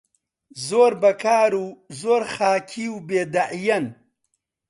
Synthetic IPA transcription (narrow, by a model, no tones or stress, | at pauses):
zoːɾbɐkaːɾuzoːɾxaːkʰiwbeːd̪aʔijɐn